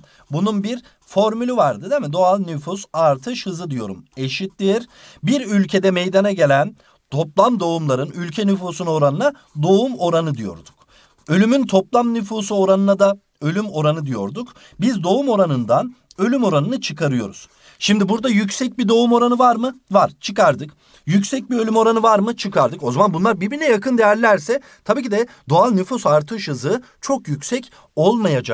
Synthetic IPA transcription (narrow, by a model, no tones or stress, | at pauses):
bununbiɾ | foɾmylʲivaɾd̪ɯd̪emid̪o̞alˠnyfusaɾt̪ʰɯʃhɯzɯd̪ijo̞̰ɾume̞ʃit̪ːiɾ | biɾylʲcʰe̞d̪ɛmejd̪anaɟe̞lʲæn | t̪ʰo̞plˠamd̪o̞umlˠaɾɯnylʲcʰɛnyfuːsuno̞ɾanɯna | d̪o̞umo̞ɾanɯd̪ijo̞̰ɾd̪u̥k̚ | ø̞lʲymynt̪ʰo̞plˠamnyfuːsuo̞ɾanɯnad̪a | ø̞lʲymo̞ɾanɯd̪ijo̞̰ɾd̪uk | bizd̪o̞umo̞ɾanɯnd̪an | ø̞lʲymo̞ɾanɯnɯt͡ʃʰɯkʰaɾɯjo̞̰ɾṵz̥ | ʃimd̪ibuɾd̪ajycsɛc̚bid̪o̞umo̞ɾanɯvaɾmɯvaɾ̥t͡ʃʰɯkaɾd̪ɯk | jycsɛc̚biø̞lʲymo̞ɾanɯvaɾmɯt͡ʃʰɯkʰaɾd̪ɯko̞zamanbunlˠaɾbiɾbinɛjakʰɯnd̪ejæɾlʲæɾsɛ | t̪ʰabiːcʰid̪ɛd̪o̞alˠnyfusaɾt̪ʰɯʃɯzɯː | t͡ʃʰo̞kjycsɛc | o̞lˠmajad͡ʒak̚